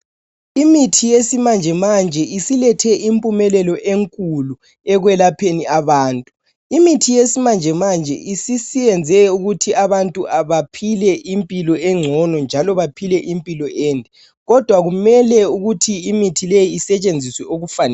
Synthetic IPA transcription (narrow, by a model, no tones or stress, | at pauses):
imitʰijesimand͡ʒʱɛmand͡ʒʱɛʔisilɛtʰɛʔimpʼumɛlɛlɔʔeŋkʼulu | ɛɣwɛlapʰeniaβaːntʼu | imitʰijesimand͡ʒʱɛmand͡ʒʱɛ̰ʔisisiβɛnd͡zʱɛuɣutʰiʔaβantʼuaβapʰilɛʔimpʼilɔɛŋ͡ǀʱɔnɔnd͡ʒʱalɔβapʰilɛʔimpʼilɔʔeːndʱɛ | ɣɔd̥ʱwaɣumɛlɛuɣutʰiːmitʰilejiːsɛt͡ʃʼend͡zʱiswɛoɣufanɛ